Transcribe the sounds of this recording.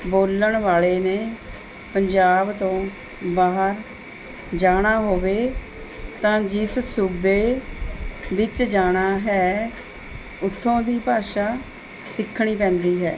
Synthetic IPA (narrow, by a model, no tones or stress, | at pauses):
boːləɳʋaːɭeːneː | pəɲd͡ʒaːbt̪õː | baːɦəɾ | d͡ʒaːɽ̃aːɦoːʋeː | t̪ãːd͡ʒɪssuːbeː | ʋɪt͡ʃd͡ʒaːɽ̃aːɦɛː | ʊt̪ʰːõːd̪iːpaːʃaː | sɪkʰːɽ̃iːpɛ̃ːnd̪iːɦɛ̰ː